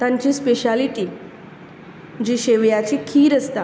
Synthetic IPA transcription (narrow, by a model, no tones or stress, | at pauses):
t̪ãɲt͡ɕiːspeɕaliʈi | d͡ʑiɕeʋjat͡ɕikʰiːɾəst̪a